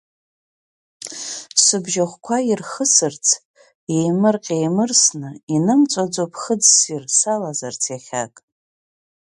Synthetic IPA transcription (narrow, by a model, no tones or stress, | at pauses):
sɨbʒaχʷkʷʰairχəsɨrt͡sʰ | ejmɨrqʲʼejmɨrsnɨinɨmt͡sʷʼad͡zopʰχəd͡zsirsalazart͡sʰjaχʲa̰kʼ